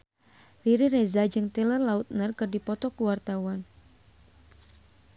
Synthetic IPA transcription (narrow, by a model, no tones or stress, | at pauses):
riɾiɾɛzad͡ʒɨŋt̪ɛlərlaut̪̚nərkɨrdipɔt̪ɔkuwart̪awan